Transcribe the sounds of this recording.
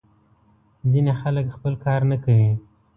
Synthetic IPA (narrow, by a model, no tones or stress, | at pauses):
zinexaləkxpəlkɑɾnakawi